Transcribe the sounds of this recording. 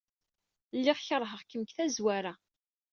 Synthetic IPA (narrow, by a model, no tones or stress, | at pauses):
lːɪʁçəɾˤɦəʁkəmkθæzwaɾa